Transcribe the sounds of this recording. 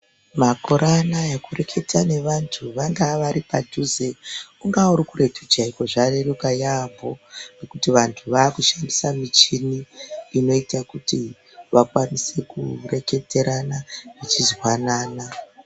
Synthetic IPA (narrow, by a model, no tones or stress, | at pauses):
makoɾanajakure̞kʰe̞tʰane̞ʋantʰuʋaŋɡaʋaɾipadʱuze̞uŋɡauɾikuɾe̞tʰud͡ʒaikoʐareɾukajambʱo̞ne̞kutiʋantʰuʋaːkuʃandisamit͡ʃiniːno̞itakuti | ʋakwanise̞kṵre̞ke̞te̞ɾanaʋit͡ʃizwanaːna